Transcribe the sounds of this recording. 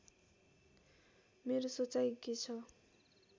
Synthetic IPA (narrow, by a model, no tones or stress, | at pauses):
meɾosot͡sajkit͡sʰʌ